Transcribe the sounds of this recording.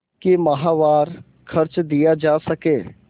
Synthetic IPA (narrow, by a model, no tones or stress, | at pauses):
kɪməɦaːʋaːɾ | kʰəɾt͡ʃd̪ijaːd͡ʒaːsəkeː